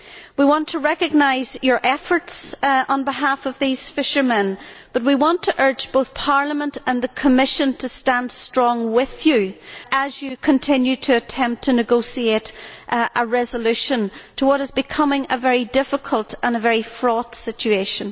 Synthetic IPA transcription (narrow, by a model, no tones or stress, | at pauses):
wiwɑ̃ntʰəɹɛkɨɡ̚naɪzjə˞ʔɛfə˞tsə̃nbɪɦafʌvðiz̥fɪʃə˞məɛ̃nb̥ʌt̚wiwɑ̃ntʰəʔɜ˞d͡ʒboʊθpʰaɹlˠəmə̃ntə̃nðəkʰəmɪʃə̃ntʰəstãnd̥stɹ̥ɔ̃ŋwɪðjəʔəzjɨkʰə̃ntʰɪ̃njʉɾʰɨːtʰɛ̃mp̚tʰənɨɡoʊsieɾʔʔəɹɛzəlʉʃə̃ntʰəwʌɾɨzbɨkʰʌmɪ̃ŋəvɛɹidɪfəkʰəlˠtə̃nəvɛɹifɹɔd̥sɪt͡ʃʉeʃə̃n